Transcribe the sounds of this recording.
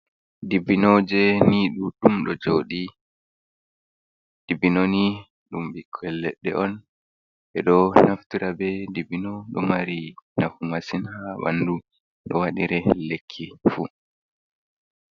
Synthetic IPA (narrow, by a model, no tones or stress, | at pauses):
dibinod͡ʒɛniɗuɗumɗɔd͡ʒoːɗi | d̥ibinoni | ɗumɓikʰːɔɛlːɛɗːɛ̰ʔɔn | ɓɛɗɔnaftiɾabɛdibinɔɗɔmaɾinafumasinhaba̰ndu | ɗɔwaɗiɾɛlekʰːifu